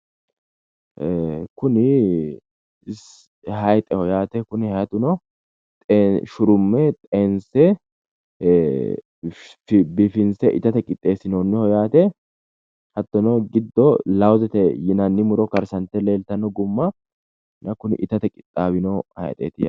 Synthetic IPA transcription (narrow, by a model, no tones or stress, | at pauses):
kʊnɪ | ɪs | ɦɐjt̪ʼɛhɔjaːt̪ɛkʊnɪhɐjɐt̪ʊnɔ | t̪ʼeʃʊɾʊmːɛt̪ʼeːnsɛ | fbɪfɪnsɛʔɪt̪ɐt̪ɛkʼɪt̪ʼːe̞ːsɪnoːnːɛhɔjaːt̪ɛ | hɐt̪ːɔnɔɡɪd̪ːɔlɐwzɛt̪ɛjɪnɐnːɪmʊɾɔkɐɾsɐnt̪ɛle̞ːlt̪ɐnːɔɡʊmːɐ | nʔɐkʊnɪ̰ʔɪt̪ɐt̪ɛkʼɪt̪ʼːaːbɪnɔhɐ̰jt̪ʼḛːt̪ɪjɐ